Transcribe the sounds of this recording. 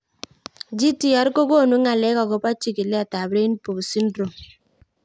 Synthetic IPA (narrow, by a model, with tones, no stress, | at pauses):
d͡ʒi˦ti˦ɔ˨˦ɾɡo˦ɡo˦˨nu˨˦ŋa˨lɛ˦kɔ˨ɡo˨pa˦t͡ʃi˦ki˨lɛ˦a˨ta˨bɾe˦i˦n˦po˨ksi˦ndɾo˨m